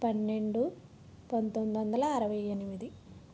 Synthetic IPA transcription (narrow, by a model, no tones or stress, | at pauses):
pɐnːeɳɖu | pɐnt̪ond̪iʋɐnd̪ɐlaːɾɐʋɐjenimid̪i